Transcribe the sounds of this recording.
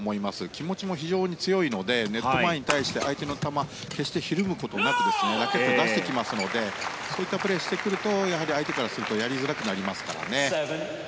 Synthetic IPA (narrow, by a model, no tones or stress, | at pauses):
mo̞imasɨkʲimo̞t͡ɕimo̞çiʑo̞ːɲ̟it͡sɨjo̞ino̞d̪e̞ne̞t̪ːo̞maeɲ̟it̪aiɕi̥t̪e̞ʔait̪e̞not̪ama | ke̞ɕi̥t̪e̞çiɾɯ̟mɯ̟ko̞t̪o̞nakɯ̟d̪e̞sɨned̪akekod̪aɕi̥t̪e̞kʲimasɨno̞d̪e̞ | so̞ːit̪ːapɯ̟ɾe̞ːɕi̥t̪e̞kɯ̟ɾɯ̟t̪o̞jaɦaɾʲiait̪e̞kaɾasɨɾɯ̟t̪o̞jaɾʲizɨɾakɯ̟naɾʲimasɨ̥kaɾa̰ne̞